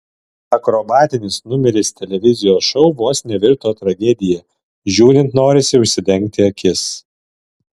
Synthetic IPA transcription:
ɐkɾobɑːt̪ʲɪnʲɪsnʊmʲɛɾʲɪst̪ʲɛlʲɛʋʲɪzʲɪjoːsʃɔʊʋoːsnʲɛʋʲɪɾt̪oːt̪ɾɐɡʲɛd̪ʲɪjɛ | ʒʲuːɾʲɪnt̪noːɾʲɪsʲɪʊʃʲsʲɪd̪ʲɛŋʲk̚t̪ʲɪɐkʲɪs

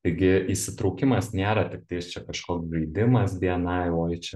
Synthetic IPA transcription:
t̪ɐɪɡʲɪʔisʲɪt̪ɾɐʊkʲɪmɐsnʲeːɾɐt̪ʲɪk̚t̪ɐɪst͡ʃʲɛkɐʃkoːksɡʲɐɪd̪ʲɪmɐsbʲiɛnɐɪoːjɪt͡ʃʲɛ

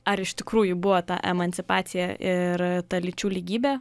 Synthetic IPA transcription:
ɐɾɪʃt̪ʲɪkɾuːjʊbʊʋot̪ɑ̰ʔɛ̰mɐnʲtsʲɪpɑːt̪sʲɪjɛɪɾt̪ɐlʲɪt͡ʃʲuːlʲiːɡʲiːbʲeː

